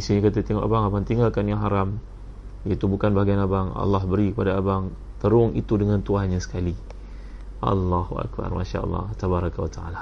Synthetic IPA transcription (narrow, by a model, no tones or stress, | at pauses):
isuɲakat̪ət̪eŋɔʔabaŋabant̪iŋalkanjaŋɦaɾam | jat̪ubukanbaɦɡianabaŋɑ̰lːɑɦbəɾikəpadaːbaŋ | t̪əɾʊŋḭt̪udəŋãnt̪uanɲasə̥kali | ʔɑ̰lːɑhuʔa̰k̚ba̰rmaʃa̰ɑ̰lːɑ̰t̪abaɾakawat̪aa̰la